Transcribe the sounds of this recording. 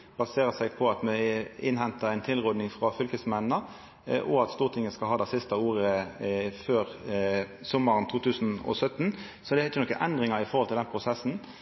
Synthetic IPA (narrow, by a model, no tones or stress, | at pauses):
b̥ɑseːʁəsæɪpʰɔɑt̪mɛɪnɦɛnt̪əʁæɪnt̪ʰɪlʁɔd̪nɪŋfʁɑfʏlkəsmɛnːə | ʔɔɑt̪st̪uːʁt̪ʰɪŋːəskɑlɦɑːd̪æɪsɪst̪əuːʁəføːɾ | sɔmːəʁənt̪ʰuːt̪ʰʉːsnɔ̰sœt̪ːn | sɔd̪ɛæɾɪt͡ʃːənɔkːəʔɛ̰nd̪ʁɪŋɑɪfɔʁhɔlt̪ɪlɛnpʰʁʊsɛsn̩